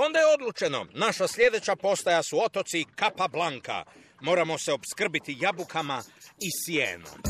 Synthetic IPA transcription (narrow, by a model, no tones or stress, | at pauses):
o̞nd̪ajeo̞d̪lˠut͡ʃe̞no̞̰naʃasʎʲje̞d̪e̞t͡ɕapo̞st̪ajasuo̞t̪o̞t̪sikapablaŋka̰ | mo̞ːɾamo̞se̞o̞bskr̩bit̪ijabukamaisjḛːno̰m